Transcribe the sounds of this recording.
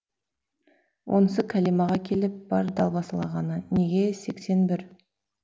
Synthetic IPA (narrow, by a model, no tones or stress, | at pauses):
wʔo̞̰nsəkʲʰælijmɑʁɑkʲʰe̞lɪp̚b̥ɑɾd̪ɑlˠbɑsəlˠɑʁɑnəne̞ɡʲe̞se̞kse̞nbɪɾ